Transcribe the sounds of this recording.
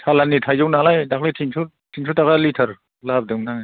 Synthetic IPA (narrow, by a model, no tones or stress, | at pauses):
tʰalanitʰajzɔwnalajdakʰletʰiŋsʰu | tʰiŋsʰutakalitʰɐɾ | lap̚dɯwna